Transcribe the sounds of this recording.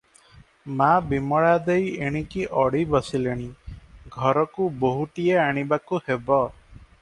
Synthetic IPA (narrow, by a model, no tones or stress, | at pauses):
mabimɔɭad̪ejeɽ̃ikiʔɔɽibɔsileɽ̃iɡʱɔɾɔkuboɦuʈieaɽ̃ibakuhebɔ